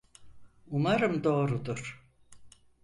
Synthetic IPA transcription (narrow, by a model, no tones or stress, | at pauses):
umaɾɯmd̪o̞ːɾud̪uɾ̥